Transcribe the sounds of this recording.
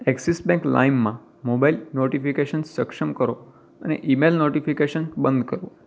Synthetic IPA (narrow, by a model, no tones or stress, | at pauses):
ɛksisbɛ̃ŋkla̰imːã | mobailnoʈifikeʃənsəkʃəmkəɾo | ə̰nḛʔimelnoʈifikeʃənbə̃nd̪kəɾo